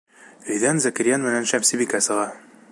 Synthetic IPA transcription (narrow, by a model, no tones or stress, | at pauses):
ɘ̆jðænzækɘ̆ɾjænmɘ̆nænʃæmsɘbikæsɤ̆ʁɑ